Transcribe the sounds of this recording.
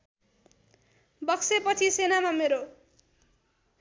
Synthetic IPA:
bʌksepʌt͡sʰisenamameɾo

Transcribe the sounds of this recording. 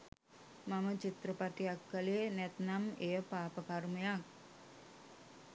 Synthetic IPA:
mamət͡ʃit̪rəpaʈijakːəlenɛt̪namejəpaːpəkarməjak̚

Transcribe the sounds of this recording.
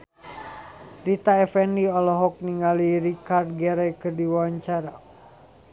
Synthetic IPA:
rit̪aɛfɛniɔlɔɦɔk̚niŋaliɾikard̪̚ɡɛɾɛkɨrdiwaaɲt͡ʃaɾa

